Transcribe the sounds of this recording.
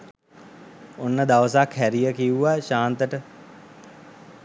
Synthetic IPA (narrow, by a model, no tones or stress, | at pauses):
onːəd̪aʋəsakʰɦæɾijəkiuʋaʃaːnt̪əʈə